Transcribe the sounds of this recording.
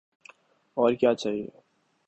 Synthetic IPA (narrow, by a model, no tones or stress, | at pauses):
ɔːɾkjaːt͡ʃaːɦiḛ